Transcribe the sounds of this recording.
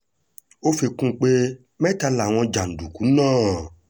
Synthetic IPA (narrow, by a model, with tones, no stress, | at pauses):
o˦fi˧kũ˦k͡pe˦ | mɛ̃˦ta˧la˨w̃ɔ̃˧d͡ʒa˨n̩˨du˨ku˨˦nãː˦˨